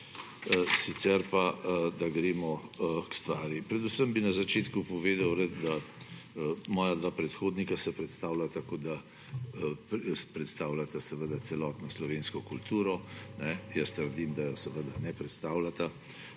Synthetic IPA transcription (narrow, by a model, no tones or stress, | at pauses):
sit̪sɛɾpad̪aɡɾeːmɔkst̪ʋaːɾjipɾɛd̪usəmbinazat͡ʃeːt̪kupɔʋeːd̪awɾɛt̪d̪a | mɔːjad̪ʋaːpɾɛt̪xoːd̪nikasɛpɾɛt̪st̪aːwlat̪akoːd̪a | ppɾɛt̪st̪aːwlat̪asɛʋəd̪at̪sɛlɔːt̪nɔslɔʋeːnskɔkult̪uːɾɔnɛjəst̪əɾd̪imd̪ajɔsɛʋəd̪anɛpɾɛt̪st̪aːwlat̪a